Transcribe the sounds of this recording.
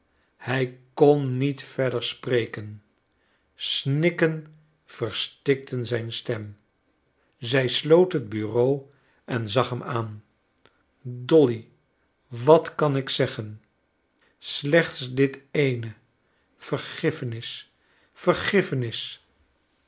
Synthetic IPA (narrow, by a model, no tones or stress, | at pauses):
hɛjkɔnːitfɛɹdəɹsprejkən | snɪkən | v̥əɹstɪk̚tʰənzɛjnstɛm | zɛjslowtɦəd̚byrow | ɛnzɑχɦɛmʔaːn | dɔli | ʋɑtkɑnɪksɛχən | slɛχtsdɪtejnə | v̥əɹχɪfənɪs | fəɹχɪfənɪs